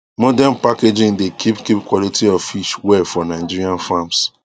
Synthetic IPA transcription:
mɔdanpaked͡ʒĩndekʰipkipkwɔlitʰiɔvfiʃwɛfɔnaɪd͡ʒiɹiãnfãms

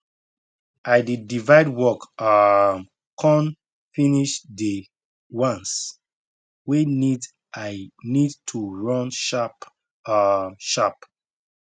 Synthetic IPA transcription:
ʔajdidivaɪdwɔkam | kʰɔ̃n | finiʃde | wãns | wenid | anidtʰuɹɔ̃nʃ | ʃap

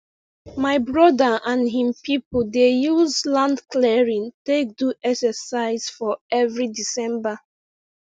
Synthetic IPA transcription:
maɪbɹɔdəãnɦĩmpipldejuzlãndklɛɹĩntek̚duʔɛksəsaɪz̥fɔɛvɹidisɛ̃mba

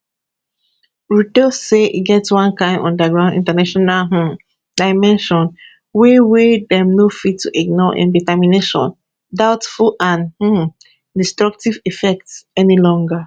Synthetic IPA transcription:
ɹudoseʔḭɡɛtswãnkãɪ̃ndɔ̰̃ndəɡɹãʊ̃ndḭ̃ntanaʃɔnalɦ̩ | daɪmɛ̃nʃɔ̃n | wewedɛ̃mnofitʰːuʔiɡ̚nɔʔḭ̃nditɛmineʃɔ̰̃n | daʊtfulãnh̩ | distɹak̚tivifɛk̚tsɛnilɔ̃ŋɡa

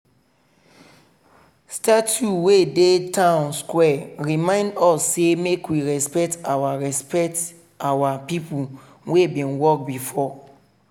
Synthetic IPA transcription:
statuwedetʰãʊ̃nskwɛɹimãɪ̃ndɔsːemekwiɹɛspɛk̚tawaɹɛspɛkt | awapipu | webĩnwɔk̚bifɔ

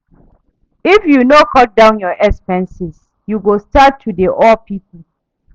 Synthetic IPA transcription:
ifjunokʰɔt̚dãʊ̃njɔʔɛkspɛ̃nsɪs | juɡostattʰːudeʔɔpʰip

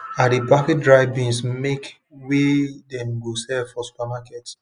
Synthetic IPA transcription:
adibafit̚dɹaɪbĩnsmek | wedɛ̃mɡosɛfɔsu̥pamakɛts

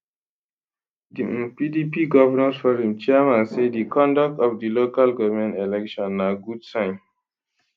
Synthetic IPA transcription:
dipidipiɡɔvənasfɔɹĩmt͡ʃɛɛmãnsedikɔ̃ndak̚tɔfdilokalɡɔvəmɛ̃ntɛlɛkʃɔ̃nːaɡudsãɪ̃n

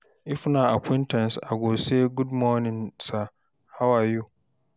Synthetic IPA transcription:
ʔɪfnãakʷĩntʰɛ̃nsa̰ɡoːseɡudmɔ̃nɪ̃nsa | hawaju

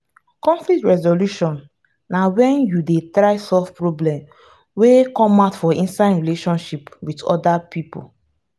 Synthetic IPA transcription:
kɔ̃ɱflik̚tɹɛzoluʃɔ̃nː | awɛ̃njudetɾaɪsɔlfpɹoblɛ̃m | wekɔmaʊtfɔĩnsaɪdɹileʃɔ̃nʃipwidɔ̰dapʰipṵ

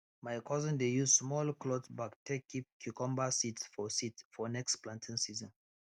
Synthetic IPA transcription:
majkʰɔzə̃ndejuzsmɔlklɔtbaktʰekːip̚kʰjukɔ̃mbasitsfɔsitfɔnɛksplãntʰĩnsizɔ̃n

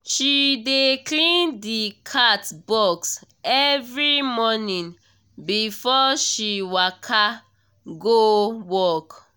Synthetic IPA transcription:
ʃideklĩndikʰatbɔks | ɛvɹimɔnĩn | bifɔʃiwakʰa | ɡowɔk

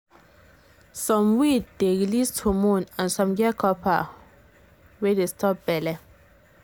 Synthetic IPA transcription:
sɔ̃mwitdeɹilistʰumũnãnsɔ̃mɡɛkʰɔpʰa̰ | wɛdestʰɔp̚b̥ɛlɛ

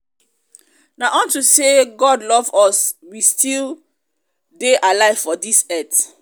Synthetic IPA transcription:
naʔɔ̃ntuseɡɔdlɔvɔswistʰil | deʔalaɪv̥fɔdisɛt

